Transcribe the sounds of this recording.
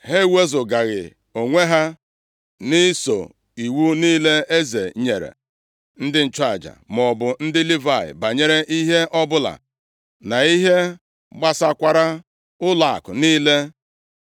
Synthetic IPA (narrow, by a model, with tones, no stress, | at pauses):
ɦe˦we˦zʊ˨ɡa˨ɣɪ̰˨ | o˨ŋʷe˦ɦa˦ | nɪ˦so̰˨ | i˨wu˦niː˦le˦e˦zḛ˨ɲe˨ɾḛ˨ | n̩˦dɪ˦n̩˨t͡ʃa˨d͡ʒa̰˨m˨ɔ˨bʊ˨n̩˦dɪ˦li˦va˦˨ɪ̰˨ba˨ɲe˦ɾe˦ʔi˦ɦe˦ʔɔ˦bʊ˦la̰˨ | na˨i˦ɦe˦ | ɡ͡ba˦sa˦kʷa˦ɾa˦ | ʊ˦la˨a̰˨kʊ˨niː˦le˦